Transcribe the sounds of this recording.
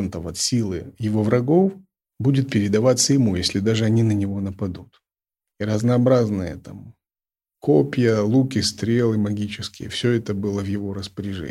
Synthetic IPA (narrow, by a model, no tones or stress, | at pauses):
nt̪əvɐt̪sʲilˠɨjɪvo̞vɾɐɡo̞f | budʲɪt̪̚pʲɪɾʲɪd̪ɐvat̪sːəjɪmujesʲlʲɪd̪aʐɨɐnʲinənʲɪvo̞nəpɐd̪ut̪ | iɾəznəɐbɾaznɨjə̰t̪am | kʰopʲjəlˠukʲɪst̪ɾʲe̞lˠɨmɐɡʲit͡ɕɪskʲɪjə̰fsʲɵɛt̪əbɨlˠəvjɪvo̞ɾəspəɾʲɪʐɛ̰